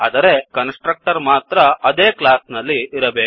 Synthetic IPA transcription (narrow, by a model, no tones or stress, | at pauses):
ɐd̪ɐɾe̞kɐnsʈɾɐk̚ʈɐɾmaːt̪ɾɐɐd̪eːklaːsnɐlːiːɾɐbeːu